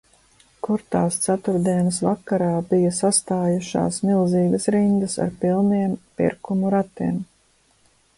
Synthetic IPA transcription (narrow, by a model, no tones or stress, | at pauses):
kuɾt̪aːst̪sat̪uɾd̪iɛnəsvakːaɾaːbijɐsast̪aːjuʃa̰ːsmilˠziːɡɐsɾind̪ɐsa̰ɾpilˠnijɛmpḭɾkumuɾat̪iːm